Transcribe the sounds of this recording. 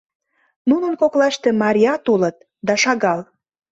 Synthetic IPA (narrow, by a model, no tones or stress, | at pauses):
nunənkoklɑʃt̪ĕmɑɾʲiɑt̪olət̪̚ | d̪ɑʃɑɣɑl